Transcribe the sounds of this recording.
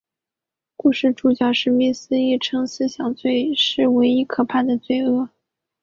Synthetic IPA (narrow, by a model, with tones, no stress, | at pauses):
ku˥˧ʂɻ̩˥˩ʈ͡ʂu˨˩t͡ɕjɑ˥˩ʊʂɻ̩˥˧mi˥˩sɹ̩˥i˥˩ʈ͡ʂʰɤ˥ŋs̩˥ɕjɑ˨˩ŋt͡swe˥˧ɪʂɻ̩˥˩we˧˥ɪi˧˥kʰɤ˨˩pʰa˥˩nd̪ə˩t͡swe˥˧ɪɤ˥˩